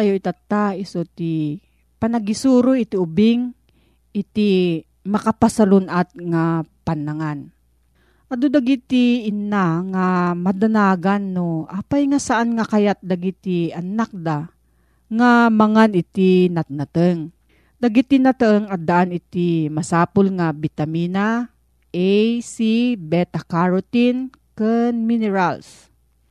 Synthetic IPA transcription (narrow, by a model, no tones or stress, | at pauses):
ajoit̪at̪ːaɪsot̪i | panaɡisuːɾoit̪iʊbɪŋ | ʔɪt̪i | mɐkapasalonat̪̚ŋapanaŋan | ʔad̪od̪aɡit̪iːnaŋamad̪anaːɡanːoʔapajŋasaʔanŋakajat̪̚d̪aɡit̪ianak̚d̪a | ŋamɐŋanɪt̪inat̪̚nat̪əŋ | d̪ɐɡit̪inat̪əŋad̪aʔanɪt̪imasaːpolŋabit̪amiːna | ʔɛjsibɛt̪akaɹot̪in | kənminɛɾals